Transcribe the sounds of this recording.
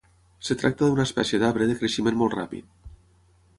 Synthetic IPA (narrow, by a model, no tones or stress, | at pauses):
set̪ɾak̚t̪aðunaespɛ̰sjeðaβɾeðekɾeʃimenmolt̪ra̰pḭt̪̚